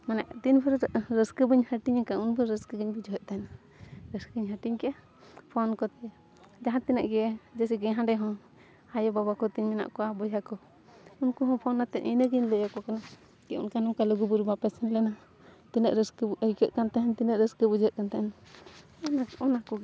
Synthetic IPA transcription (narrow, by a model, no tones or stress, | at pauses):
manaʔt̪inpʰəɾɾʔɾəskəbəɲhəʈiɲakaunbəɾəskəɡəɲbid͡ʒɔɦɛʔ̚t̪ana | ɾəskəɡəɲɦəʈiɲkɛja | pʰɔnkɔt̪ɛ | d͡ʒaɦãt̪ɛnaʔɡɛd͡ʒɛsiɡɛ̃ɦãɖɛɦɔ̃ | ajɔbabakɔt̪inmina̰ʔkɔwabɔd͡ʒakɔ | unkuɦɔ̃pʰɔnːat̪ɛʔʔḭnəɡiɲləjɔkɔkana | kɛunkanumkaləɡubuɾbapɛsɛnlɛna | t̪inəʔɾəskəbəjkəʔ̪kant̪aɦɛnt̪inəʔɾəskəbud͡ʒəʔ̚kant̪aɛn | ɔnaɔnakɔɡɛ